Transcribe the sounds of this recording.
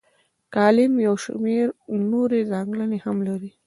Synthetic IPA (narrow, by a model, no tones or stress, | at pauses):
kɑlɪmjawʃmeɾnoɾezaŋɡlanehamlaɾi